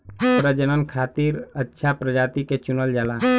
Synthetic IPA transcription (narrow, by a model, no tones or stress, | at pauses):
pɾəd͡ʒənənkʰaːt̪iɾətːʃʰapɾəd͡ʒaːt̪iket͡ʃʊnəld͡ʒaːlaː